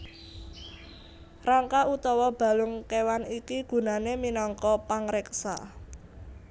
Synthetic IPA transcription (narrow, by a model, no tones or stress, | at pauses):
raŋkaʔut̪ɔwɔb̥ä̤lʊŋkewanikiɡ̥ṳnaneminɔŋkɔpaŋɾɛksa̰